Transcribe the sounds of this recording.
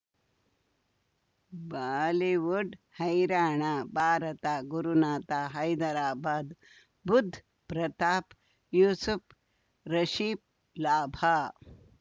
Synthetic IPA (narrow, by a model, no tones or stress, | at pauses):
baːliʋuɖhɐjɾaːɳ̃aːbʱaːɾɐt̪aːɡuɾunaːt̪aːɦɐjd̪ɐɾaːbaːd̪ | bud̪ʱː | pɾɐt̪aːp | juːsuf | ɾɐɕiːp̚ | laːbʱa